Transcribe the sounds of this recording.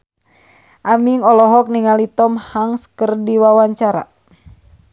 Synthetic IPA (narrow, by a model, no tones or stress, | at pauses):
ʔamiŋɔlɔɦɔk̚niŋalit̪ɔmhaŋskərdiwawaɲt͡ʃaɾa̰